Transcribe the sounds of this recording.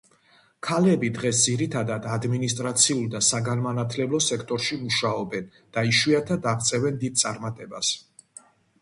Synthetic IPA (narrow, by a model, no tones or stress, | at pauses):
kʰalɛbid̪ʁɛsd̪ziɾit̪ʰad̪ad̪ad̪minist̪ʼɾat̪sʰiulˠd̪asaɡanmanat̪ʰlɛblɔsɛkʰt̪ʼɔɾʃimuʃaɔbɛn | d̪̥aiʃwiat̪ʰad̪aʁt̪sʼɛvɛnd̪id̪̚tsʼa̰ɾmat̪ʼɛbas